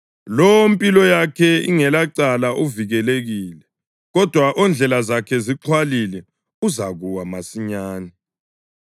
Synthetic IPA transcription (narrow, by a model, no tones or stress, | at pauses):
lompʼilɔjakʰɛḭŋɛlaǀalaʔuviɣɛleɣiːlɛ | ɣɔd̥ʱwaʔond͡ɮʱɛlazakʰɛziǁʰwalilɛ | uzaɣuwamasiɲaːni